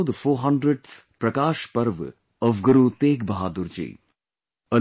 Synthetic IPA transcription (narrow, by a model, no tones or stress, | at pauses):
d̪foːɦɐ̃ɳɖɾəɖspɾɐkaːʃpɐɾʋ | ɔfɡuɾut̪eːɡbɐɦaːd̪uɾd͡ʒḭː | ə